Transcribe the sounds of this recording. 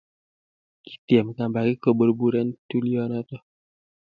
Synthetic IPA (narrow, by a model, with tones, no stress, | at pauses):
ki̥˨tjɛ˨mka˨mba˨ki˦ko˨bo˨ɾbu˦ɾɛ˦ntu˦li˦ɔ˦nɔ˦tɔ˦